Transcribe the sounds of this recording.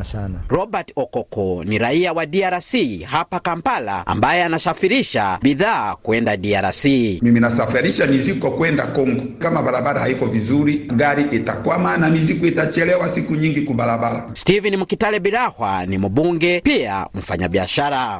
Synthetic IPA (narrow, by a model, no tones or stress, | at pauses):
anɾɔbatɔkɔkɔniɾaiawadiaɾasihapakampala̰a̰mbajɛanasafiɾiʃabiðaːkuɛndadiaɾa̰simiminasafiɾiʃamizikɔkuwɛndakɔŋɡɔkamabaɾabaɾahaikɔvizuɾiɡaɾiʔɛtakwamanamizikuitat͡ʃɛlɛwasikuɲiŋɡikubaɾabaɾastivinimukitalɛbiɾahwa̰nim̩ɓuŋɡɛpia̰m̩faɲa̰biaʃaɾa